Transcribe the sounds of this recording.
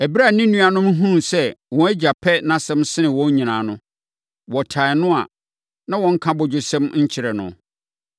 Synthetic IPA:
æ˨bi˦ɾa˦˨nĩ˦nũ˦a˨nʊ̃˦m˦ɦũ˦n˨sɛ˦wɔ̃˨æ˦d͡ʑa˨pʰɛ˦nã˦sɛ̃˦msɪ˦nɪ̃˨wɔ̃˦ɲ˦ɲĩ˨nãː˨nʊ̃˦ | wɔ˨tʰa˨nʊ̃˦a˨ | nã˦wɔ̃˨ŋ̩˦kʰã˦bʊ˨d͡ʑʊ˨sɛ̃˦mɲ̩˦t͡ɕʰɪ˨ɾɛ˨nʊ̰̃˨

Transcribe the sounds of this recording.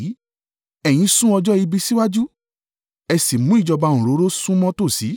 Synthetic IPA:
ɛ˨j̃ĩ˨˧˦sũ˦ɔ˧d͡ʒɔ˦i˧bi˧si˦wa˦d͡ʒu˦ | ɛ˧si˨mũ˨˦i˦˨d͡ʒɔ˧bã˧ũ˨ɾo˨˦ɾo˦sũ˦mɔ̃˦to˦˨si˨˦

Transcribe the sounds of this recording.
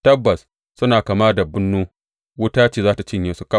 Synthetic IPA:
tɐ˦bːɐ˨s | sʊ˦naː˨ka˨maː˦da˨bʊ˦nːuː˦ | wʊ˦taː˦t͡ʃeː˨zaː˦ta˨t͡ʃɪ˦ɲjeː˦su˦ka˦

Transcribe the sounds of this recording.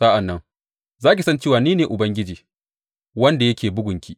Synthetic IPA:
sa˦ʔa˨nːɐ˦ŋ | zaː˦k̬ʲi˨sɐ˦nt͡ʃeː˦˨waː˨niː˦neː˨ʔʊ˨bɐ˦ŋɡʲɪ˦d͡ʒiː˨ | wɐ˦nda˨jɐ˦kʲʰeː˨bʊ˦ɡʷʊ˨ŋkʲiː˦

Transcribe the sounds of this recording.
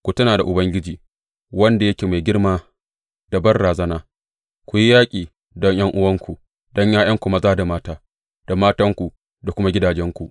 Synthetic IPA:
kʷu˨tɐ˦naː˨da˨ʔʊ˨bɐ˦ŋɡʲɪ˦d͡ʒiː˨ | wɐ˦nda˨jɐ˦kʲeː˨ma˨jɡʲɪ˦rmaː˦ | da˨bɐ˦rɽaː˨zɐ˦naː˦ | kʷu˨ji˦jaː˦kʲʼiː˨ | dɔ˦ɲj̰ɐ˦ŋʔʊ˦wɐ˦ŋkʷu˨ | d̥ɔ˦ɲjaː˦j̰ɐ˦ŋkʷʊ˦ma˦zaː˦da˨maː˦taː˦ | d̥a˨maː˦tɐ˦ŋkʷu˨ | da˨kʷʊ˦ma˦ɡʲɪ˦daː˨d͡ʒɛ˦ŋkʷu˨

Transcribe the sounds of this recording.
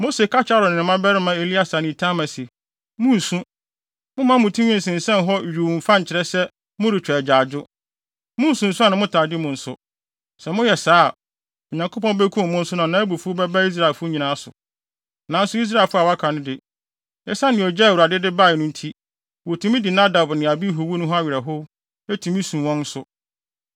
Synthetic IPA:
mo˦se˨kʰa˦t͡ɕʰa˦ɾʊ˨nɪ̃˨mã˦bɛ˦ɾɪ˦mã˨e˨li˦a˦sa˨nɪ̃˨tʰã˦mã˨se˨ | mʊ̃˦n̩˨sũ˦ | mʊ̃˦mã˦mʊ̃˨tʰũ˦ɲĩ˦n̩˨sɪ̃˨n̩˨sɛ̃˦n˨ɦɔ˦˨ɥᶣu˨fã˦ɲ̩˨t͡ɕʰɪ˨ɾɛ˦sɛ˦ | mʊ̃˦ɾɪ˨t͡ɕᶣɛ˨d͡ʑaː˨d͡ʑʊ˦ | mʊ̃˦n̩˨sũ˨n̩˨sʊ˦a˦nʊ̃˦mʊ̃˦tʰaː˨dɪ˦mʊ̃˨n̩˨sʊ̰˦ | sɛ˨mʊ̃˦jɛ˨saː˦˨ | ɔ˨ɲã˨ŋkʰo˦pɔ̃˦be˦kʰũ˦m˨mʊ̃˦n̩˦sʊ˦nã˨nãː˨˦æ˦bu˨fu˦o˦bɛ˦ba˦i˦s̬ɾa˦˨e˨lfʊ˦o˦ɲĩ˨nã˨˦a˦sʊ̰˨ | nã˨˦n̩˦sʊ˦i˦s̬ɾa˦˨lfʊ˦a˨wa˦kʰa˨nɪ̃˦dɪ˨ | ɛ˦sa˦nɪ̃˨ɔ˨d͡ʑɛ˦˨wu˨ɾa˨dɪ˦dɪ˦ba˦˨ɪ˨nʊ̃˦n̩˦tʰi˦ | wɔ˨tʰĩ˦mĩ˦di˨nã˦da˨bnɪ̃˨a˨bi˦ɦʊ˨˦wu˦nʊ̃˦ɦɔ˦a˦ɥɪ˨ɛ˨ɦʊ˦ | e˦tʰĩ˨mĩ˦sũ˨wɔ̃˦n̩˦sʊ˦

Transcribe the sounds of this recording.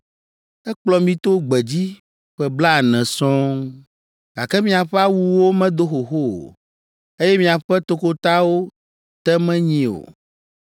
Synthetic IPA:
ɛ˦k͡plɔ˨mĩ˦t̪o˦ɡ͡bɛ˨d͡ʑi˦ | ɸɛ˨bla˦˨nɛ̃˨sɔ̃˦ | ɡ̥a˨kɛ˦mĩ˦a˨ɸɛ˦a˦wu˨wo˦mɛ̃˦d̪o˦xo˨xo˦o̰˨ | e˦jɛ˦mĩ˦a˨ɸɛ˦t̪o˨ko˦t̪a˦wo˦ | t̪ɛ˦mɛ̃˦ɲĩ˨o̰˨

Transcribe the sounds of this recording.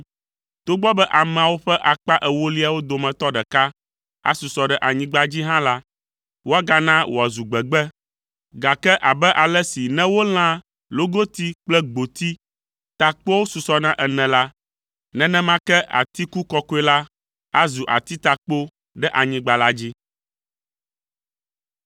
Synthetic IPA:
t̪o˦ɡ͡bɔ˦bɛ˦ʔa˨mɛ̃˨a˨wo˦ɸɛ˦ʔa˨k͡pa˦ʔɛ˨wo˦li˦a˨wo˦d̪o˨mɛ̃˨t̪ɔ˦ɖɛ˨ka˦ | a̰˦su˨sɔ˨ɖɛ˦˨ʔa˨ɲĩ˦ɡ͡ba˦d͡ʑi˦ɦã˦la˦ | wo˦a˦ɡa˨nã˦wʔo̰˨a˨zu˨ɡ͡bɛ˨ɡ͡bɛ˦ | ɡa˨kɛ˦ʔa˨bɛ˦ʔa˨lɛ˦si˨nɛ̃˦wo˦l̃ã˦ | lo˦ɡo˦t̪i˦k͡plɛ˦ɡ͡bo˨t̪i˦ | t̪a˨k͡po˦wo˦su˨sɔ˦nã˦ʔɛ˨nɛ̃˨la˦ | nɛ̃˨nɛ̃˦mã˦kɛ˦ʔa̰˨t̪i˦ku˦kɔ˦ko˦ɛ˦la˦ | a˦zu˨ʔa̰˨t̪i˦t̪a˨k͡po˦ | ɖɛ˦ʔa˨ɲĩ˦ɡ͡ba˨la˦d͡ʑi˦

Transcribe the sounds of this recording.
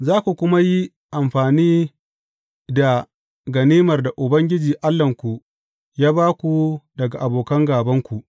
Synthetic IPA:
zaː˦kʷu˨kʷʊ˦ma˦ji˦ | ʔa˨mɸaː˨niː˦ | da˨ | ɡɐ˨niː˦mɐ˨rda˨ʔʊ˨bɐ˦ŋɡʲɪ˦d͡ʒiː˨ʔa˦lːɐ˨ŋkʷu˨ʔ | jaː˦baː˦kʷu˨dɐ˨ɡa˨ʔa˨boː˨kɐ˦ŋɡaː˨bɐ˦ŋkʷu˨ʔ

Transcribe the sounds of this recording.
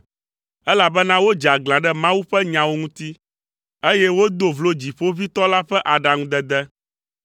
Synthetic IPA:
ɛ˦la˨bɛ˦nã˦wo˦d͡ʒa˨ɡlã˨ɖɛ˦mã˦wu˦ɸɛ˦ɲã˨wo˦ŋũ˦t̪i˦ | e˦jɛ˦wo˦d̪o˦vlo˦d͡ʑi˨ɸo˦vi˦t̪ɔ˦la˦ɸɛ˦ʔa˨ɖa˨ŋũ˦d̪ɛ˦d̪ɛ˦

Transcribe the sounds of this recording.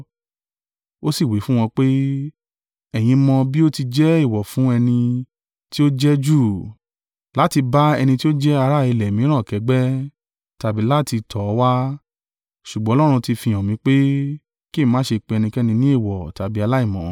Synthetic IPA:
o˦si˦˨wi˨˦fũ˦w̃ɔ̃˧k͡pe˦ | ɛ˦˨j̃ĩ˧mɔ̃˧bi˦o˦ti˧d͡ʒɛ˦i˦˨wɔ˨fũ˨˦ɛ˧nĩ˧ | ti˦o˦d͡ʒɛ˦d͡ʒu˦˨ | la˨˦ti˧ba˦ɛ˧nĩ˧ti˦o˦d͡ʒɛ˦a˧ɾa˦˨i˧lɛ˨mĩ˨˦ɾ̃ãː˦˨kɛ˨˦ɡ͡bɛ˦ | ta˧bi˨˦la˦ti˧tʰɔ˨˦wa˦ | ʃu˨ɡ͡bɔ̃˨˦lɔ˦ɾ̃ũ˧ti˧fĩ˧ɔ̃˨mĩ˨˦k͡pe˦ | ki˦˨˦mã˨˦ʃe˧k͡pe˧ɛ˧nĩ˧kɛ˦nĩ˧nĩ˦e˦˨wɔ˨ta˨˦bi˦a˧la˦i˦˨mɔ̃˨˦

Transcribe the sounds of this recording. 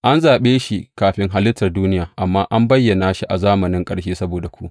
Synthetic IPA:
ʔa˦nzaː˨ɓeː˦ʃi˦kaː˨ɸɪ˦ŋɦa˦lɪ˦tːɐ˨rduː˦nɪ˦jaː˨ʔa˨mːaː˦ʔa˦mbɐ˦jːɐ˨naː˨ʃi˦ʔa˨zaː˦mɐ˨nɪ˦ŋkʼɐ˦ɽʃeː˦sɐ˦boː˨da˨kʷu˦ʔ

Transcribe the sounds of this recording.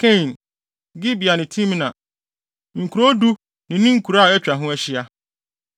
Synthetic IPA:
kʰɛ̃˦˨n | ɡɪ˦bi˨a˨nɪ̃˨tʰĩ˦m˦nã˨ | ŋ̩˨kʰu˨ɾo˦du˦ | nɪ̃˨nɪ̃˦ŋ̩˦kʰu˨ɾa˦˨ɛ˦t͡ɕᶣɾa˨ɦʊ̃˦æ˦ɕi˦a˦

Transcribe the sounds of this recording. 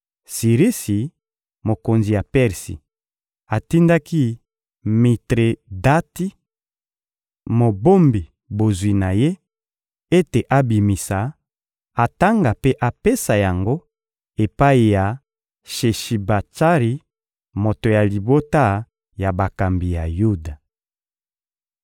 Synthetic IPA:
si˨ʁi˦si˨ | mo˨ko˨nzi˨ja˨pɛ˦ʁsḭ˨ | a˨ti˦nda˦ki˦ | mi˨tʁe˨da˦ti˦ | mo˨bo˦mbi˨ | bo˨zwi˨na˨je˦ | e˦te˨ʔa˦bi˨mi˨sa˨ | a˨ta˦ŋɡa˨pe˦ʔa˨pe˦sa˨ja˨ŋɡo˦ | e˨pa˦i˨ja˨ | ʃe˨ʃi˨ba˨t͡ʃa˦ʁi˨ | mo˨to˨ja˨li˨bo˦ta˦ | ja˨ba˨ka˨mbi˨ja˨ju˦da˨

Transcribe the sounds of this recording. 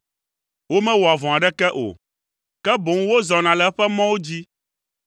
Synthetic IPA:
wo˦mɛ̃˦wo˨a˨vɔ̃˨a˨ɖɛ˦kɛ˦ʔo̰˨ | kɛ˦bo˨ŋ˦wo˦zɔ˨nã˨lɛ˨˦ɸɛ˦mɔ̃˦wo˦d͡ʑi˦

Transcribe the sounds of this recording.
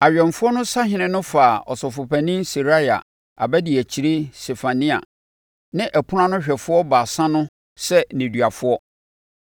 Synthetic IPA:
a˨ɥᶣɛ̃˨ɱfʊ˦ɔ˦nʊ̃˦sa˦ɦɪ̃˨nɪ̃˦nʊ̃˦faː˨ɔ̰˨sɔ˨fʊ˨pʰæ˨nĩ˦nsi˨ɾa˦ja̰˨ | a̰˨bɛ˦dɪ˨æ˨t͡ɕʰi˨ɾe˦se˨fa˨nĩ˦a̰˨ | nɪ̃˦ʔæ˨pʰʊ˦ã˦nʊ̃˦ɕᶣɛ˨fʊ˦ɔ˦ba˨sã˦nʊ̃˦ | sɛ˦nĩ˨dɥa˨fʊ˦ɔ˦

